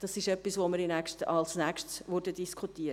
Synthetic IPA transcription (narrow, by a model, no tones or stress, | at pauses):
d̥ɑsɪʃœpːisʋoməɾinækʃtɑ̰lsnækʃtsʋʊɾdədiskʰutiːə